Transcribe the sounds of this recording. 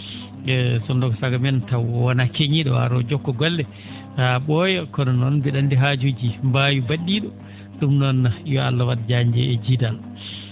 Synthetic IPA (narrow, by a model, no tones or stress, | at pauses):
ɛsɔndɔɡɔsaɡamɛntawɔwanakeɲiɗɔwa̰ɾɔd͡ʒɔkːɔɡɔlːɛ | taɓɔjɔkɔnɔnɔnbiɗandiɦad͡ʒud͡ʒimbajubaɗːiɗɔ | ɗumnɔnːajɔa̰lːawaɗd͡ʒaɲd͡ʒɛ̰ɛd͡ʒidal